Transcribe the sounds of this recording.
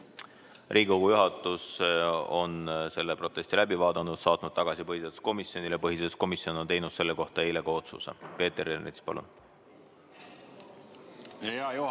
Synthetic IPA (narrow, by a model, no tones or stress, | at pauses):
rʔiːɡko̞ɡ̥ujuɦɑt̪ːˑuso̞̰nse̞lːepro̞t̪ːˑe̞sʲt̪ilæbivɑːd̪̥ɑnːud̪̥sɑːt̪ˑnud̪̥̚t̪ɑɡ̥ɑsipɤhiselsko̞misjo̞nilepɤɦiselsko̞misio̞no̞nt̪ejnud̪̥se̞lːe̞ko̞ht̪ɑe̞jle̞kɑo̞t̪sṵsḛpe̞ːt̪eɾenːḭt̪spɑ̰lṵn | he